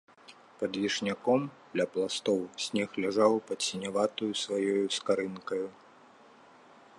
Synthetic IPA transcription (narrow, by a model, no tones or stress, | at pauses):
pɐd̪vʲiʂnʲakɔmd̪lʲɐplˠast̪ɔwsʲnʲɛxlʲaʐawpɐt̪sʲinʲavat̪ujusvajɔjuskaɾɨnkɐju